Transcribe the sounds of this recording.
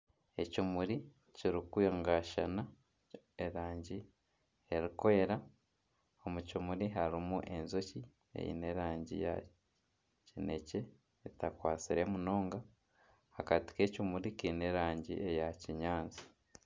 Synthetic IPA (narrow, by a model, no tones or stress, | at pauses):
e̞̰cumuɾi | ciɾikujoŋɡaʃana | eɾaːɲɟi | e̞ɾikoeɾa | o̞mucumuɾiɦaɾimuʔe̞nzoci | ḛjḭne̞ɾaːɲɟḭja̰ | cine̞̰ce̞ː | takwaːt͡siɾe̞muno̞ːŋɡa | hakati̥kecumuɾikiːne̞ɾaːɲɟḭʔejaciɲaːnzi̥